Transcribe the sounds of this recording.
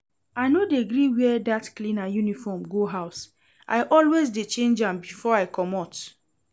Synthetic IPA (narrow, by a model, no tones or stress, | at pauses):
aɪnodeɡɾiwɛɛdatklĩnajunifɔmɡoɦaʊs | ʔa̰ɪʔɔlwezdet͡ʃẽnd͡ʒãmbifɔaɪkʰɔmɔt